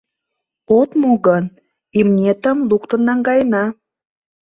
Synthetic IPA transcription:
ot̪moɣən | imnʲet̪ə̆mlukt̪ə̆nːɑŋɡɑjnɑ

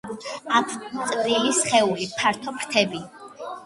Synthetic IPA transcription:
at̪ʰt̪sʼɾilisχɛulipʰaɾt̪ʰɔpʰɾt̪ʰɛbi

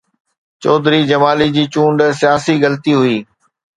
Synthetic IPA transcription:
t͡ɕɔːd̪ɾid͡ʑɐmaːlid͡ʑiːt͡ɕũːɳɖsijaːsiɡɐlt̪iɦʊiː

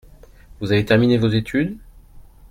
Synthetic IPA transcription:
vuzavet̪ɛʁminevozet̪ʰyd̪

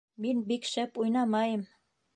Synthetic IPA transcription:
minbikʃæpujnɑmɑjɤ̆m

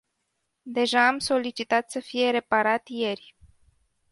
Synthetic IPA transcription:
d̪e̞ʒaːmso̞lit͡ʃit̪at̪səfije̞ɾe̞paɾat̪je̞rʲ

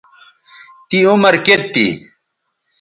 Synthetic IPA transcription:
t̪iumɐɾket̪ːḭ

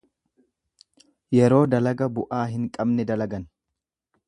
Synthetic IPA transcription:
jɛɾo̞ːd̪ɐlɐɡɐbʊʔaːɦɪŋkʼɐbnɛd̪ɐlɐɡɐn

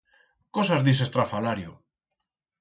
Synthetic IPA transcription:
kosazðis̬est̪ɾafalaɾjo

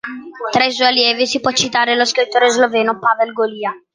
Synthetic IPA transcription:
t̪ɾɛjs̬ujaljɛːvisipwɔt͡ʃːit̪aːɾeloskɾit̪ːoːɾezlovɛːnopavelɡoliːa

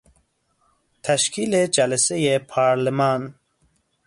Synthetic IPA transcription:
t̪ʰæʃkʰiːled͡ʒælesejepʰɑːɾlemɑːn

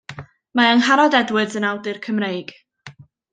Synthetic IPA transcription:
maəŋɦaɾɔdɛdwɨdzənawdɨrkʰəmrejɡ̥

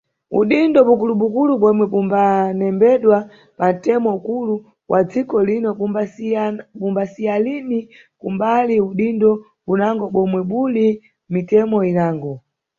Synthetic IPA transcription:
ṵɗindɔpukuluɓukuluɓɔmwɛpumbanɛmbɛɗwa | pan̩tɛmɔukulu | wʔad͡zikɔlinɔ | pumbasialini | kumbaliuɗindɔ | unaŋɡɔɓɔmwɛɓuli | mitɛmɔinaːŋɡɔ

